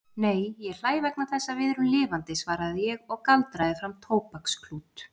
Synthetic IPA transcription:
neːjjɛɣl̥aːjvɛknaθɛsːavɪðɾʏmlɪːvant̪ɪsvaːɾaðɪjɛɣɔɣkalt̪ɾaðɪfɾamt̪ʰoːwpakskʰluːt̪

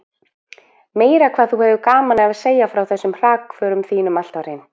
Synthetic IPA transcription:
meːjɾakʰv̥aːðθuhɛvʏkaːmanɛvaseːjafɾawθɛsːʏmr̥aːkfœːɾʏmθiːnʏmal̥t̪aɾhɪn

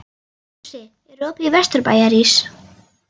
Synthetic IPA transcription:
sɪ | ɛɾoːpiivɛst̪ʏɾpa̰ːjaɾis

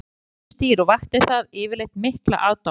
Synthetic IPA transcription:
st̪iːɾɔɣvaht̪ɪθaðɪːvɪɾlejht̪mɪhkla̰ʔaːwt̪a

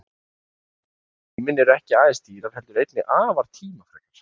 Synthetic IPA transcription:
mɪnːɛɾɛhcɪaːðɪst̪iːɾaɾ̥ɦɛlt̪ʏɾejt̪nɪʔaːvaɾ̥t̪ʰiːmafɾa̰ːknaɾ̥

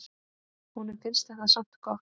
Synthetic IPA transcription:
hunɛɾfɪnst̪ɛxkaðsaŋ̥t̪kʰɔ

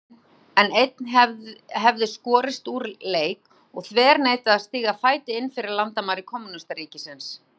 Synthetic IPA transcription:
ɛnejt̪̚nɛɦɛvðɪskɔːɾɪst̪uːɾleːjk | ɔɣθvɛːɾneːjt̪ɪaðst̪iːɣafaːjt̪ɪɪnːfɪɾɪɾlant̪amaɾɪkʰɔmunast̪aɾiːcɪsɪns

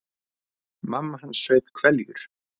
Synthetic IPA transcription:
mamːaɦanːsœːɥpkʰvɛljʏ̰ɾ̥

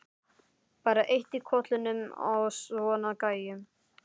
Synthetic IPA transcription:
paːɾaʔejht̪ikʰɔt̪lʏnʏma̰wsvɔːnakaːjʏm

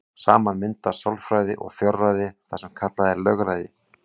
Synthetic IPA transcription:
saːmanmɪnt̪ḁsɔlfɾajðɪʔɔ̰ɣfjɔrːajðɪθasɛmkʰat̪laðɛlœɣɾajðɪ

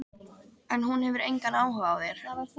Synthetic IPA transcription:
ɛnɦunhɛvʏɾejŋkanaːwɦœɣaːwðjɛɾ̥

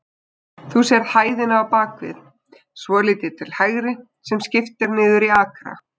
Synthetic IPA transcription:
θusɛɾðhaːjðɪnavapaːkvɪ̰ð | svɔːliːt̪ɪɾ̥t̪ʰɪlhajɣɾɪ | sɛmscɪft̪ɪɾnɪːðʏɾiaːkɾa̰

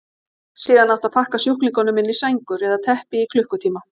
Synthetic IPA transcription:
siːðanawt̪aðpʰahkasjuhknɪŋkɔnʏmɪnːisejŋkʏɾɛðat̪ʰɛhpɪikʰlʏhkʏt̪ʰiːma

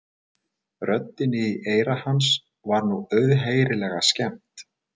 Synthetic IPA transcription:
rœt̪ːɪnɪiʔeːjɾahans | vaɾnuœɥðɦeːjɾɪlɛɣascɛm̥t̪

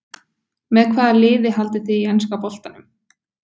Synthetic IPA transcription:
mɛðkʰvaːðalɪːðɪɦalt̪ɪθiiɛnskapɔl̥t̪anʏm

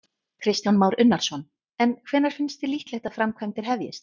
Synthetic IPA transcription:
kʰɾɪst̪janmaːwɾʏnːaɾ̥sɔn | ɛnkʰv̥ɛːnːaɾ̥fɪnst̪ɪliht̪lɛht̪aðfɾamkʰvɛjmt̪ɪɾ̥ɦɛvjɪst̪̚

